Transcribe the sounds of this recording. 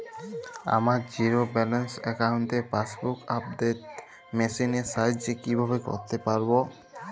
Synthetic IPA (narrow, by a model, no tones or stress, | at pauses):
a̰maɾd͡ʑiɾobɛlensɛkaunt̪efasbukap̚d̪et̪̚ | mesinesajdd͡ʑekibʱabeko̰ɾt̪epaɾbo